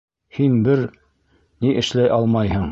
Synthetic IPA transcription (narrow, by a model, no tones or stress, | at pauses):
hinbɘɾ | niʔɘ̆ʃlæjʔɑlˠmɑjhɤɴ